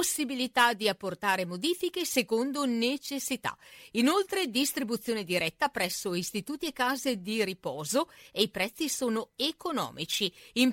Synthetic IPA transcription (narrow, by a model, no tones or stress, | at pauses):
osːibilit̪ad̪iapːort̪aːɾemod̪iːfikesekond̪onet͡ʃesːit̪a̰inolt̪ɾed̪ist̪ɾibut̪sːjoːned̪iɾɛt̪ːapɾɛsːoist̪it̪uːt̪iekːaːzed̪iɾipɔːzoeipɾɛt̪sːisoːnoekonɔ̰ːmit͡ʃiim